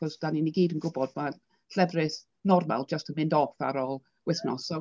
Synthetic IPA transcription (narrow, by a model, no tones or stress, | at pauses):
ɔsd̥aniniɡiːdənɡʊbɔd̚ma | ɬɛvrɪθ | nɔrma̰lˠd͡ʒəstənmɪndɔfa̰ɾɔlˠ | wɪθnɔ̰sɔ